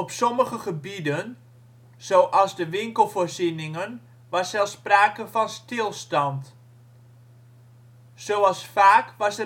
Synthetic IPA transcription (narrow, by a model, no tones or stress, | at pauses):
ɔpsoməχəχəbidən | z̥oːʔɑlˠzdəʋɪŋkəlˠforzinɪŋən | ʋɑsɛlˠsːpraːkəfɔnstɪlˠstɑnt | soːɑlˠsfaːkʋɑsə